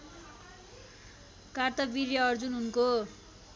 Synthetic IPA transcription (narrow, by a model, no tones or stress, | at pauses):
kart̪ʌbiɾjʌːrd͡zunɦunko